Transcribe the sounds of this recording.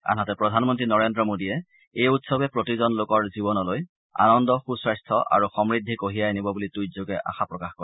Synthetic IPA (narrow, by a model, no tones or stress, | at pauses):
a̰natɛpɹɔdʱanmɔntɹinɔɹendɹɔmodijɛ | ejutsɔbɛpɹotizɔnlokɔɹzibɔnɔloj | a̰nɔndɔxusɹajstʰɔʔa̰ɹuxɔmɹidʱːikoɦijajenibɔbulitujzoɡɛʔa̰xapɹɔkaxkɔɹ